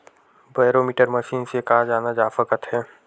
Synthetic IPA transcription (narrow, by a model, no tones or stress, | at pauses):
baːjɾoːmiːʈəɾməʃiːnsekaːd͡ʒaːnad͡ʒaːfəkət̪ɦɛː